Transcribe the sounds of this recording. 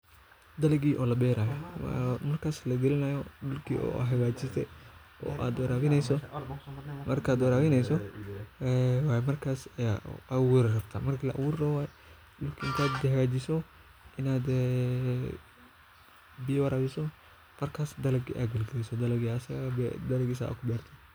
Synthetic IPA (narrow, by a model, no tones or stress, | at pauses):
d̪ɐlɐɡiːʔɔːlɐbɛːɾaːjɔmɐrkʰaːslɐɡɪlɪnajɔɖʊlkʰḭːɔ̰ːɦɐɡaːt͡ʃɪssɛ̰ | ʔɔ̰ːʔa̰ːd̪wɐɾaːβɪnɛjsɔ | mɐrkʰaːd̪wɐɾaːβɪnɛjsɔ | ɛwajmɐrkʰaːsʔɐwuɾrɐb̥t̪ʰa̰ːmɐrkʰilɐʔɐ̰wuːrrɔwaːj | dʊkʰiŋk̪ʰaːd̪d̪ɛɦɡaːt͡ʃɪsɔ | ʔɪnaːd̪ɛ | bɪjɐwɐɾaːβɪsɔ | mɐrkʰaːsd̪ɐlɐɡʔa̰ːɡɐlɡɐlisɔd̪ɐlɐɡiːsɐɣbɛd̪ɐlɐɡis̬a̰ːkʰʊbɛːrt̪ʰɔ